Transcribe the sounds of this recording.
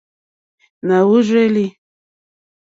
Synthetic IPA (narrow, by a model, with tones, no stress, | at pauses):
na˨wu˦ʐʷe˦li˦